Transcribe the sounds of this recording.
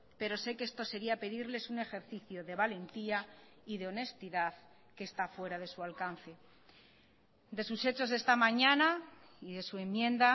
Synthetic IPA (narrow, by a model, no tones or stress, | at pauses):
pe̞ɾo̞se̞ke̞st̪o̞se̞ɾiape̞ðiɾle̞sune̞xe̞ɾθiθjoðe̞β̞ale̞nt̪iaiðe̞o̞ne̞st̪iðað | ke̞ːst̪afwe̞ɾaðe̞sualkan̟θe̞ | d̪e̞suse̞t͡ʃo̞zðe̞st̪amãɲãna | iðe̞sue̞mjẽ̞nd̪a